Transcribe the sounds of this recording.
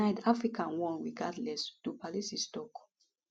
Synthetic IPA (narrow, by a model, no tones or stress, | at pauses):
aɪdafɹikãnwɔ̃nɹiɡadlɛstupalisistɔk